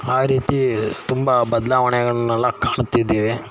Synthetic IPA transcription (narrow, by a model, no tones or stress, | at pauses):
aːɾiːt̪it̪umbɐbɐd̪laːʋɐɳɛɡɐɭɐnːɛlːɐkaːɳt̪id̪ːeːʋe